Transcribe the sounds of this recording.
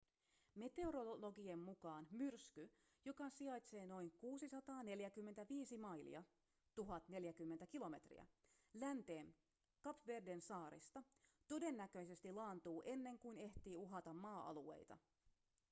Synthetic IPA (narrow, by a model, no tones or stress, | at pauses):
me̞t̪e̞oɾolo̞ɡiemːukɑːnmyrsky | jo̞kɑsiɑjt̪se̞ːno̞jŋkuːsisɑt̪ɑːne̞ljækymːet̪æʋiːsimɑjlḭɑ | t̪uɦɑt̪ne̞ljæk̟ymːent̪ækilo̞me̞t̪rḭæ̰lænt̪e̞ːn | kɑpʋe̞rde̞nsɑːɾḭst̪ɑt̪o̞de̞nːækø̞jse̞st̪ilɑːnt̪uːʔe̞nːe̞ŋkujne̞ht̪iːuɦɑt̪ɑmːɑːʔɑ̰lue̞̰jt̪ɑ̰